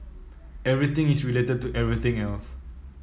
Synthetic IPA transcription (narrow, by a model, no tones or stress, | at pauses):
ɛvɹit̪ɪ̃ŋisɹiletəd̚tuʔɛvɹit̪ɪ̃ŋɛls